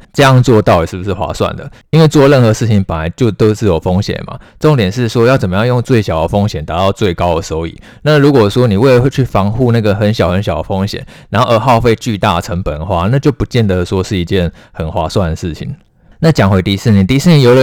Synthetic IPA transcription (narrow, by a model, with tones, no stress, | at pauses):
ʈ͡ʂɤ˥˧jɑ˥˧ŋt͡swɔ˥˧t̪ɑ˥˩ʊi˨˩ʂɻ̩˥˩bu˩ʂ̬̩˥˩xwa̰˧˥swa̰˥˩nd̪ə̰˩i˥nwe˥˧ɪt͡swɔ˥˧˦lə˥˩nxɤ˧˦ʂɻ̩˥˩t͡ɕʰi˧˥ŋpə˨˩nla˧˦ɪt͡ɕjo˥˧ʊt̪o˥ʊʂ̩˥˩jɔ˨˩fo˥ŋɕjɛ̰˨˩nma̰˨˩ʈ͡ʂo˥˩ŋt̪jɛ˨˩nʂɻ̩˥˩ʂwɔ˥jt͡sə˨˩mə˦jɑ˥˧ŋjo˥˧ŋt͡swe˥˩ɪɕjɑ˨˩ʊd̪ə˦fo˥ŋɕjɛ˨˩nt̪a˧˥t̪ɑ˥˧ʊt͡swe˥˩ɪkɑ˥ʊə˨˩so˧˥ʊḭ˨˩˦ | na˥˨ɻu˧˥kwɔ˨˩ʂwɔ˥ni˨˩we˥˩ɪə˩˧t͡ɕʰy˥˩fɑ˧˥ŋxu˥˧na˥˩ɡə˩xə˧˥nɕjɑ˨˩ʊxə˧˦nɕjɑ˨˩ʊd̪ə˦fo˥ŋɕjɛ̰˨˩˦nɻnxo˥˧ə˧˥xɑ˥˧ʊfe˥˧ɪt͡ɕy˥˧t̪a˥˩ʈ͡ʂʰə˧˥ŋpə˨˩nxwa˥˩na˥˧t͡ɕjo˥˩ʊpu˧˥t͡ɕjɛ˥˩nd̪ə˨də˩ʂwɔ˥ʂɻ̩˥˩i˧˥t͡ɕjɛ˥˩n | xə˨˩nxwa˧˥swa˥˩nd̪ə˩ʂɻ̩˥˩t͡ɕʰḭ˨˩ŋ | na˥˩t͡ɕjɑ˨˩ŋxwe˧˥ɪt̪i˧˥sɹ̩˥˩˨ni˨˩t̪i˧˥s̩˥˩ni˧˩jo˧˥ʊlə˧˩